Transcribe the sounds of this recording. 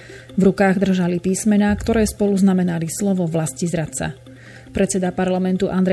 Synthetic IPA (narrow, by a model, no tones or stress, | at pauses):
vɾukaːɣd̪r̩ʒalipiːsmɛnaːkt̪ɔɾɛːspɔluznamɛnalislɔʋɔʋlascizɾat̪sa̰ | pɾɛt̪t͡sːɛd̪apaɾlamɛnt̪uʔand̪ɾɛ